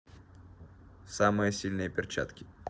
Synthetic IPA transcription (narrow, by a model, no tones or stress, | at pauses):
samɨjəsʲilʲnɨjəpʲɪrt͡ɕa̰t̪kʲɪ̥